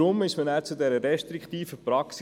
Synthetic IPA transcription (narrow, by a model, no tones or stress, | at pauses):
ɾʊmɪʃmənæːɾt͡sud̪ɛɾəɾɛʃtɾikt̪iːfəpɾɑks